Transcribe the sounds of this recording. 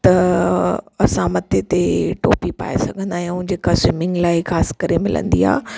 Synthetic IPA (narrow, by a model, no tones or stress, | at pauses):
t̪ɐ | ɐsãmɐt̪ʰet̪eʈo̰ːpipa̰ːesɐɡʱə̃nd̪aːɦij̃ʊ̃ɪ̃ɲd͡ʑekɐsɪmɪ̃ŋɡlaːɪxaːsɪ̥kɐɾemɪlə̰̃nd̪ḭa̰ː